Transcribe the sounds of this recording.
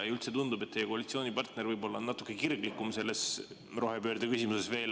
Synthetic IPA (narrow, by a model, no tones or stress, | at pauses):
ylt̪se̞t̪und̪ubet̪t̪ːejekoɑlʲit̪sioːnʲipɑrt̪ne̞ɾvɤjbo̞lːɑnɑt̪ːˑukːˑe̞kirɡlikːˑumse̞lːe̞s | ro̞ɦe̞pøːɾd̪̥ekysʲimusesve̞ːl